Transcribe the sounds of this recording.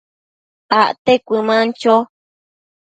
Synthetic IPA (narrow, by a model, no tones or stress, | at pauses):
aʔt̪ekʷɨmãnt͡ʃo